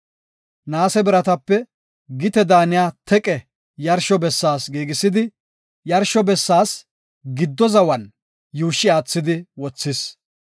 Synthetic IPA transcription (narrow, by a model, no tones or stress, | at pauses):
naːsɛbɪɾɐt̪ɐpːɛ | ɡɪt̪ɛd̪aːnɪjaːt̪ʰɛkʼɛ | jɐɾʃɔbɛsːaːsɡiːɡɪsɪd̪ɪ | jɐɾʃɔbɛsːaːs | ɡɪd̪ːɔzɐwɐn | juːʃːɪaːt͡sːɪd̪ɪwɔt͡sːɪs